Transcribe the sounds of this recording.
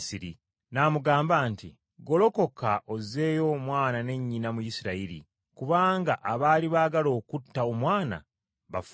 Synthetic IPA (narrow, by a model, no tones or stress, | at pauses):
siɾi | namuɡaːmbaːnti | ɡo̞lo̞ko̞kaʔo̞ze̞ːjo̞mwaːnane̞ɲːinamujisiɾaiɾḭ | kuβaːŋɡaʔaβaːliβaːɡalo̞ːkutːao̞mwaːna̰ | βaf